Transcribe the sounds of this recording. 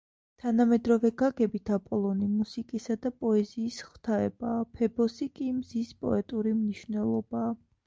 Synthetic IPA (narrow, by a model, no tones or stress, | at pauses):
t̪ʰanamɛd̪ɾɔvɛɡaɡɛbit̪ʰapʼɔlˠɔnimusikʼisad̪apʼɔɛziːsχw̥t̪ʰaɛ̰baːpʰɛbɔsikʼimzispʼɔ̰ɛt̪ʼuɾimniʃvnɛlˠɔbaː